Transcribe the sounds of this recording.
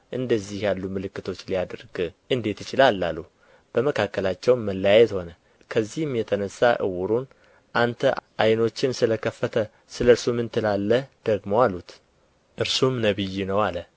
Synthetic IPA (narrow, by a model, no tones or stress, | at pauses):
ʔɨnd̪əzːihjalːumɨlɨkːɨt̪ʰo̞t͡ʃːlijad̪ɾɡ̥ʔɨnd̪e̞t̪ːɨt͡ʃɪlalːalːu | b̥əməkʰakːəlat͡ʃːɛwnməlːəjajɛt̪ho̞nə | kʰəzːihmjɛt̪ʰənəsːaʔɨ̰wʊɾun | ʔant̪ʰəʔajno̞t͡ʃːɪnsɨləkʰəfːət̪ʰə | sɨləɨɾsumɨnt̪ʰɨlalːəd̪̥əɡmowalːut̪ | ʔɨɾsumnəβɨjːinəwalə